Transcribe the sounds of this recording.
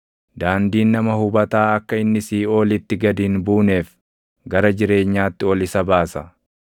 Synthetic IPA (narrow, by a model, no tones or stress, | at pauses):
d̪aːnd̪iːnːɐmɐhʊbɐt̪aːɐkːɐɪnːɪsiːo̞ːlɪt̪ːɪɡɐd̪iːnbuːne̞ːf | ɡɐɾɐd͡ʒɪɾe̞ːɲːaːt̪ːɪɔlɪsɐbaːsɐ